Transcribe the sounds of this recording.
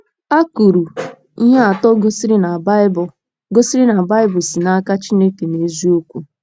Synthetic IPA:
a˦ku˨ɾu˨ | i˦ɦa˦a˨tɔ˦ɡo˦si˦ɾi˦na˨ba˦b | ɡo˦si˦ɾi˦na˨ba˦ɪ˦bʊ˨si˨na˦ka˦t͡ʃi˦ne˦ke˨ne˨zi˦o˦kʷu˦

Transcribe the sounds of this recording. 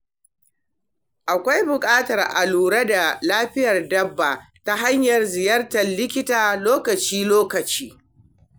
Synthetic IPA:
ʔa˨kʷa˦jbʊ˨kʼaː˦tɐ˨rʔa̰˨luː˨ɽa˦da˨laː˦ɸɪ˦jɐ˨rdɐ˦bːa˨ | ta˦ɦa˦ɲjɐ˨rzɪ˨jɐ˦rtɐ˨nlɪ˦kʲɪ˦taː˨loː˦kɐ˨t͡ʃiː˦loː˦kɐ˨t͡ʃiː˦

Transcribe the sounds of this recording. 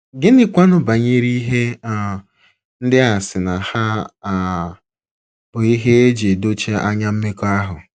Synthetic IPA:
ɡɪ˦nɪ˦kʷa˦nʊ˦ba˨ɲi˦ɾi˦ɦe˦a˨ | n̩˦dɪ˦a˨sɪ˨na˨ha˦˨ | bʊ˨i˦ɦe˦e˦d͡ʒe˨do˦t͡ʃe˦a̰˦ɲa˦m̩˦me˦ko˦a˦ɦʊ˨

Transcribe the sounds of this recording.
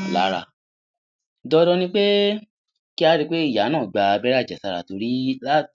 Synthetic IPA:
la̰˨˦ɾa̰˧˨ | dɔ˧dɔ˧nĩ˧k͡pe˦ | ki˦a˧ɾi˧k͡pe˦i˦˨ja˨˦nãː˦˨ɡ͡ba˧bɛ˦ɾa˦˨d͡ʒɛ˨sa˨˧ɾa̰˨to˧ɾi˦la˦

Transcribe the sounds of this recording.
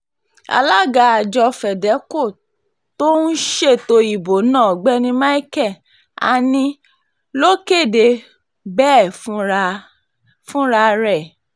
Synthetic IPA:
a̰˧la˦ɡa˨˧a˨d͡ʒɔ˧fɛ˨dɛ˨˦ko˦˨ | to˦n̩˦ʃe˦˨to˧i˨bo˨˦nã˦˨ɡ͡bɛ˦nĩ˧˦ma˦i˦kɛ˦˨ | a̰˧˨nĩ˧ | lo˦ke˦˨de˧˦ | bɛː˦˨f | fũ˦ɾa˧ɾɛ˦˨

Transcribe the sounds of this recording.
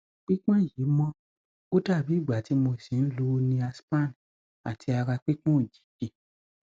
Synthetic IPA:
k͡pi˦k͡pã˦˨ji˨˦mɔ̃˦ | o˦ta˦˨bi˨˦˨ɡ͡ba˨ti˨˧mo˧˨sĩ˨˦n̩˦lu˦˧nĩ˧a˧spa˦˨n˨ | a̰˨tʰi˧a˧ɾa˧k͡pi˦k͡pɔ̃˦o˦˨d͡ʒi̥˨˦ki˧

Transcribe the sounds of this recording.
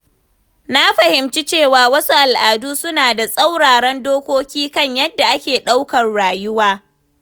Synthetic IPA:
na˦ɸɐ˨hɪ˨mt͡ʃi˦t͡ʃeː˦˨waː˨wɐ˦su˦ʔa˨lʔaː˨duː˦sʊ˦naː˨da˨sʼa˦wɽaː˨ɽɛ˦ndoː˦kʷoː˦kʲiː˦kɐ˦ɲjɐ˦dːa˨ʔa˦kʲeː˨ɗa˦wkɐ˨rɽaː˨jʊ˦waː˦

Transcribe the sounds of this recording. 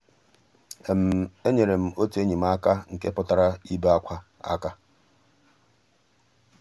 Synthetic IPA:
e˨m̩˨e˦ɲe˨ɾe˨m̩˨o˦te˦ɲi˨m̩˦a˦ka˦ŋ̩˨ke˦pʊ˦ta˨ɾa˦i˦ba˦kʷa˦a̰˦ka˦

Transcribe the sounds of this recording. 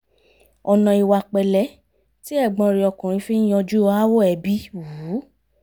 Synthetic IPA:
ɔ˧nã˧i˧wa˧k͡pɛ˨lɛ˨˦ | ti˦ɛ˦˨ɡ͡bɔ̃˧ɾi˧ɔ˧kũ˨ɾ̃ĩ˧fi˦n˦j̃ɔ̃˧d͡ʒu˦˧˦a˦wo˦ɛ˨bi˦wu˨˦

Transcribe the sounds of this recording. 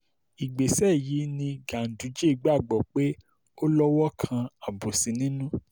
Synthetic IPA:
i˨ɡ͡be˨sɛ˦˨ji˨˦nĩ˧ɡã˨n̩˨du˨˦d͡ʒe˦i˨˧ɡ͡ba˦˨ɡ͡bɔ˨k͡pe˦ | o˦lɔ˦wɔ˦kʰã˧a˨bo˨si˨˦nĩ˦nũ˦

